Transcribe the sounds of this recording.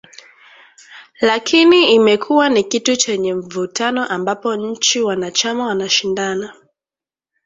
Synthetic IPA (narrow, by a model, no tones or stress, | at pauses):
lakʰiniimɛkʰuwanikitut͡ʃɛɲɛm̩vutanɔʔambapɔɲ̩t͡ʃiwanat͡ʃamawanaʃindana